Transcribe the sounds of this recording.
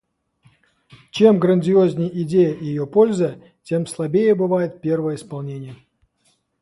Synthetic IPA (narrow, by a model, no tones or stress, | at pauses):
t͡ɕemɡɾənʲdʲɪozʲnʲɪjəʔidʲejəjɪjopolʲzə | tʲemslˠabʲejəbɨvajɪt̪̚pʲervəjəispɐlˠnʲenʲɪjə